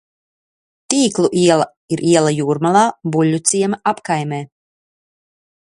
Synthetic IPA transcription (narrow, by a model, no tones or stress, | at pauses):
t̪iːklˠuʔiɛlˠa | iɾʔiɛlˠajuːɾmalˠaːbulʲːut̪siɛmaʔapkajmeː